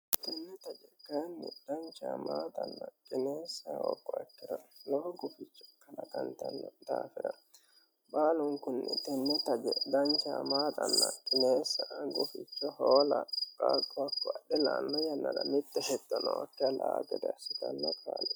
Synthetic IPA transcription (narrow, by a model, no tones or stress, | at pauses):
t̪ɛnːɛt̪ɐd͡ʒɛkanːɪd̪̥ɐnt͡ʃaːmaːt̪ʼɐnːɐkʼɪneːsːawɔkːɔɛkːɪɾɐlɔhɔɡʊfɪt͡ʃːɔ̥kɐlɐkɐnt̪ɐnːɛd̪aːfɪɾɐ | baːlʊŋkʊnːɛt̪ɛnːɛt̪ɐd͡ʒɛd̪ɐnt͡ʃaːmaːt̪ʼɐnːɐkʼɪneːsːɐʔɡʊfɪt͡ʃːɔhoːlɐkʼaːkʼːɔɐkːɔɐɗɛlaːnːɔjɐnːɐd̪ɐmɪt̪ːɛhɛt̪ːɔnɔwɔkːɪɾɐlaːɡɛd̪ɛɐsɪt̪ɐnːɔkʰʼaːlɛ